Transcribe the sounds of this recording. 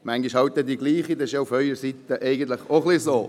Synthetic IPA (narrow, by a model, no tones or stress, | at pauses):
mæŋɡiʃhɑwt̪̚d̪ɛd̪iɡliːχid̪ɛɪʃjoufœʏɾəsit̪əʔɛɪɡən̩t̪ləχoχlisoː